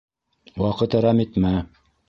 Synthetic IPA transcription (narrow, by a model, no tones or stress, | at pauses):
wɑqɤt̪æ̆ɾɑmit̪mæ